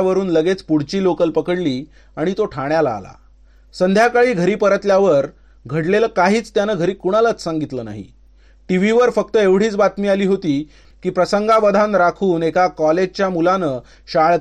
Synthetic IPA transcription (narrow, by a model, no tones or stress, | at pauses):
ʋəɾuːnləɡet͡spuɽ̤t͡ɕiːlokəlpəkəɽliː | aɽ̃it̪oʈʰaɳjala̰ːla̰ | sənd̪ʱjakaɭiːɡʱəɾiːpəɾət̪ljaʋəɾ | ɡʱəɽleləːkaɦiːt͡st̪janəːɡʱəɾiːkuɽ̃alat͡ssaŋɡit̪ləːna̰ɦḭ | ʈiʋ̤iʋəɾfək̚t̪əeʋɽ̤iːt͡sbat̪miːaliːɦot̪iː | kiːpɾəsəŋɡaʋəd̪ʱanɾakʰuːnekakɔled͡ʑt͡ɕjamulanəː | ɕaɭ